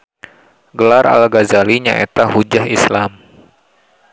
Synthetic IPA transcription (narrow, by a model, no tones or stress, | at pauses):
ɡəlarʔa̰lɡazaliɲaʔet̪ahud͡ʒaɦislam